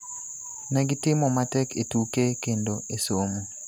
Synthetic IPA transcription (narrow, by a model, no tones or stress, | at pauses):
nɛɡɪtɪmɔmatɛketukekendoesomu